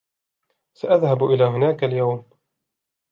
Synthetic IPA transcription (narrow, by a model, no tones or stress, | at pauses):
saʔaðhabʔɪlaːɦʊnaːkaljawm